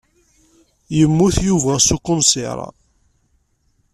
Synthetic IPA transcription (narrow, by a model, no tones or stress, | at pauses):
jəmːuθjuvæsukːʊnsɪ̰ɾˤɑ̰